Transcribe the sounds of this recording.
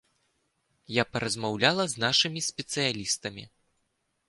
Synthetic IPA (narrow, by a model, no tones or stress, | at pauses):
japɐɾɐzmawlʲalˠɐznaʂɨmʲisʲpʲɛt̪sɨjalʲist̪ɐmʲḭ